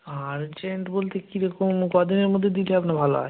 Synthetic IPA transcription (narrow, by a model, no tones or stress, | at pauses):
aɾd͡ʑeɳʈbolt̪ekiɾɔkomkɔd̪ineɾmod̪ʱːed̪ileapnabʱaloa̰